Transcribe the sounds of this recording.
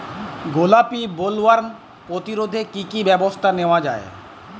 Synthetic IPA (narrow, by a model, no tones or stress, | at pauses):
ɡolapibolwaɾ | pɾot̪iɾod̪ʱekikibɛbost̪ʰaneoad͡ʑa̰e